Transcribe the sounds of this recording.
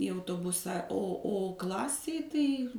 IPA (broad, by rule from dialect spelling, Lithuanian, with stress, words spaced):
iː ɐʊtoːˈbʊsɐ oː ˈoː ˈklˠɑːsʲeːj tɐɪ